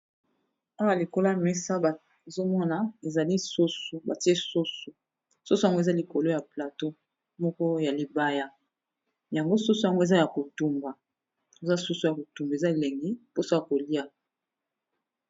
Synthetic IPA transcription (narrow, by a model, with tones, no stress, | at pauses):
a˦wa˨li˨ko˦la˦˨me˦sa˦ba˨ | e˨zo˦mɔ˦na˨e˨za˨li˦so˦su˨ba˨ti˦e˦so˦su˨ | so˦su˦ja˨ŋɡo˦e˦˨za˦li˨ko˨lo˦ja˨pla˨to˦ | mɔ˦kɔ˦ja˨li˦ba˦ja˦˨ | ja˨ŋɡo˦su˦su˦ja˨ŋɡo˦e˨za˦ja˨ko˨tu˨mba˨ | e˨za˦su˦su˦ja˨ko˨tu˨mbe˨za˦e˨le˨ŋɡi˦po˦so˦ja˨ko˨li˦a˦